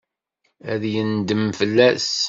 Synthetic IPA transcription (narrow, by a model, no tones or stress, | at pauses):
æðjənd̪əmfəlːæs